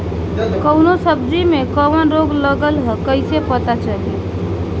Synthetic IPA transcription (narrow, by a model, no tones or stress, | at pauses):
kəwnosəbd͡ʒimekəʋənɾoɡləɡəlɦəkəɪsepət̪at͡ʃəli